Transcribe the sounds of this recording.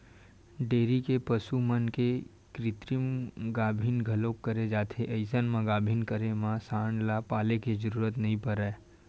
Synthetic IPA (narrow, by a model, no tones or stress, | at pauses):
ɖeːɾikepɐsumənke | kɾɪt̪ɾimɡaːbʱinɡʱɐloːkːəɾed͡ʒaːt̪ʰeʔəɪsənmãɡaːbʱiːnkəɾemãsaːɳɖlapaːlekid͡ʒəɾuːɾət̪nɐɦĩpəɾae